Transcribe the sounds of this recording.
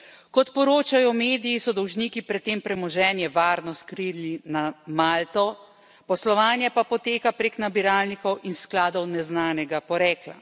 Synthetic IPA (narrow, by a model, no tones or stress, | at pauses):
kɔt̪pɔɾoːt͡ʃajɔmeːd̪ijisɔd̪ɔwʒniːkipɾɛt̪ːeːmpɾɛmɔʒɛːnjɛʋaːɾnɔskɾilinamaːlt̪ɔ | pɔslɔʋaːnjɛpapɔt̪eːkapɾeknabiɾaːlnikɔwʔinsklaːd̪ɔwnɛznaːnɛɡapɔɾɛːkla̰